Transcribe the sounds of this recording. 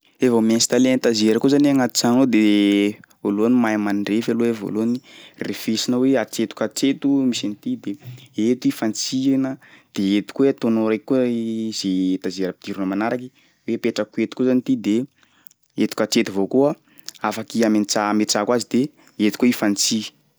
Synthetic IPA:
evamensi̥t̪alenit̪azeɾəkuzanaŋat̪u̥t͡sanod̪e | olonimajmanɳɖ͡ʐefaloevo̰lonirefesinəweat͡ʃet̪u̥kaʈ͡ʂet̪umisinit̪id̪eet̪uifant͡siɾinəd̪̥eet̪u̥kuweat̪onoɾekkuzet̪azeɾəpi̥d̪̥iɾunəmanaɾaki̥ | wepeʈ͡ʂəkuet̪u̥kuzanit̪id̪e | et̪u̥kʲaʈ͡ʂet̪uvokua | afakiament͡samet͡sakwazid̪e | et̪u̥koifant͡si̥

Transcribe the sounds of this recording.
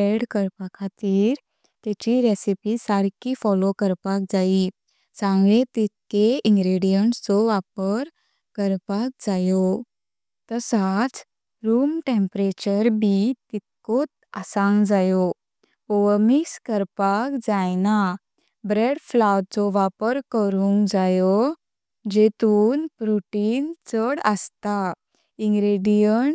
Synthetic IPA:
eɖkəɾpakʰat̪iːɾ | t̪ɛt͡ɕiɾesipisaɾkifɔlokəɾpak̚d͡zai | sãŋɡɭet̪it̪̚keiŋɡɾeɽijəɳʈt͡sɔʋapəɾ | kəɾpak̚d͡zajo | t̪əsat͡s | ɾuːmʈẽmpɾet͡ɕəɾbit̪it̪̚kot̪əsãŋɡd͡zajɔ | ɔʋmiskəɾpakd͡zajna | bɾeɽflawʈt͡sɔʋapəɾkəɾũŋkd͡zajɔ | d͡ʑet̪uːnpɾoʈiːnt͡səɽəst̪a | iŋɡɾeɽijəɳʈ

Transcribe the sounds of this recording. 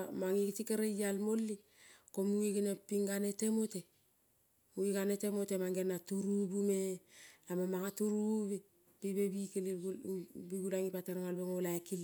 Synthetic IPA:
maŋikitikaɾejalmolːi | komuikinepiŋɡanetemote | muikanetemotemaŋɡenːatuɾubumelamamaŋatuɾuβe | pibebikili | biɡulaŋipateɾŋalbeŋolaekili

